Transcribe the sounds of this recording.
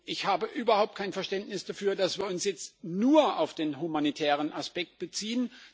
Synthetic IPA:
ʔɪçhaːbəʔyːbɐhaʊp̚tkʰaɪnfɛɐʃtɛntnɪsd̥afyːɐdasv̥iːɐʊnsjɛt͡stnuːɐa̰ʊfd̥eːnɦumanitʰɛːʁ̞ənʔaspɛk̚t̚b̥ət͡siːən

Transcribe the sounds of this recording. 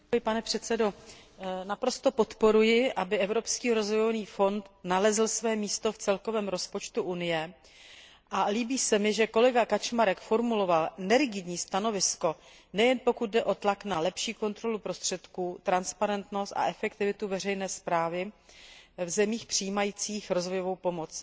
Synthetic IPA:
jɪpanɛpr̥ɛt̪t͡sɛdo̞ | napɾo̞st̪o̞po̞t̪po̞ɾujɪʔabɪʔɛvɾo̞pskiːɾo̞zvojovniːfo̞nt̪nalɛzl̩svɛːmiːst̪o̞ft͡sɛlko̞vɛːmɾo̞spo̞t͡ʃt̪uʔunɪjɛ | ʔaliːbiːsɛmɪʒɛko̞lɛɡakat͡ʃmaɾɛkfo̞ɾmulo̞valnɛɾɪɡɪdɲiːst̪ano̞vɪsko̞ | nɛjɛnpo̞kud̪̚dɛʔo̞t̪laknalɛpʃiːko̞nt̪ɾo̞lupɾo̞st̪r̝̥ɛt̪kuːt̪ɾanspaɾɛnt̪no̞st̪a̰ʔɛfɛkt̪ɪvɪt̪uvɛr̝ɛjnɛːspɾaːvɪ | vzɛmiːxpr̝̥ijiːmajiːt͡siːxɾo̞zvo̞jovo̞wpo̞mo̞t͡s

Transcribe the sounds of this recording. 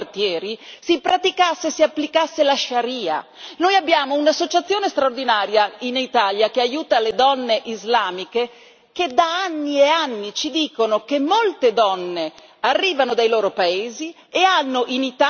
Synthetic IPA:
t̪jɛːɾisipɾat̪ikasːesiapːlikasːelaʃaɾiːa̰noːjabːjaːmounasːot͡ʃat̪sːjoːnest̪ɾaord̪inaːɾjainit̪aːljakeajuːt̪aled̪ɔnːeʔizlaːmike | ked̪aanːieanːit͡ʃid̪iːkonokemːolt̪ed̪ɔnːe | arːiːvanod̪ajloːɾopaeːzi | eanːoʔinit̪a

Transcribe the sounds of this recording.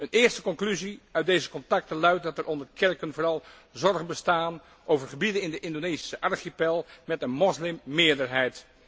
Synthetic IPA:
ənɪːɹstəkɔŋklyziœɥt̚dejzəkɔntɑk̚tənlœɥt̚dɑtɛɹʔɔndəɹkʰɛɹkənvʊːrɑlˠ | zɔɹχənbəstaːn | ʔowvəɹχəbidənɪndəʔɪndonejzi̥səʔɑɹχipɛlˠmɛtənmɔzlɪmːɪːɹdəɹɦɛjt

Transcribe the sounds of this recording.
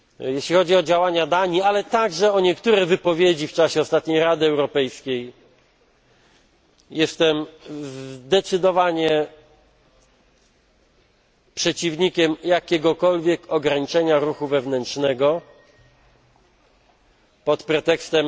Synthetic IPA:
jɛɕlʲixɔd͡ʑiɔd͡ʑawaɲad̪aɲialɛt̪aɡʐɛɔɲɛkt̪uɾɛvɘpɔvʲjed͡ʑift͡ʂaɕɛɔst̪at̪̚ɲejɾad̪ɘɛwɾɔpɛjskʲej | jɛst̪ɛmzd̪ɛt̪sɘd̪ɔvaɲɛ | pʂɛt͡ɕivɲikʲɛmjakʲɛɡɔkɔlvʲjɛkɔɡɾaɲit͡ʂɛɲaɾuxuvɛvnɛntʂnɛɡɔ | pɔt̪pɾɛt̪ɛkst̪ɛm

